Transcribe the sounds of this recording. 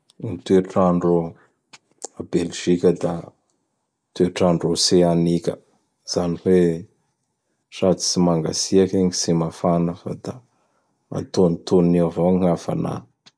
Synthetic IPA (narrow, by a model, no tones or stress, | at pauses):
nit̪ueʈ͡ʂaɳɖ͡ʐo | abelʒ̥ikʲəd̪a | t̪ueʈ͡ʂaɳɖ͡ʐoseanikʲə̰ | z̥aniwe | sat̪i̥t͡simaŋɡa̰siakeŋisemafanəfa̰d̪a | a̰t̪onit̪onnewavoŋafa̰na̰